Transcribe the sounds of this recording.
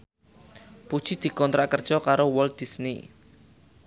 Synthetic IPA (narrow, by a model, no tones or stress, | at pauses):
pud̥ʒ̥id̪̥i̤kɔnt̪ɾaʔkərd̥ʒ̥ɔkaɾowɔld̪̥isnḭ